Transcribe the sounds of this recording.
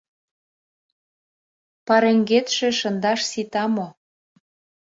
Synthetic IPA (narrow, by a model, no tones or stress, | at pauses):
pɑɾeŋɡet̪ʃĕʃə̆nd̪ɑʃsit̪ɑmo